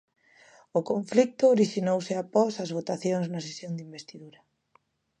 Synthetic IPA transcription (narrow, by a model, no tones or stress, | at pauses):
ʊkoɱflik̚t̪ʊːɾiʃinowsɪapɔsazβ̞ot̪aθjõŋznɐsesjõnd̪imbest̪iðuɾa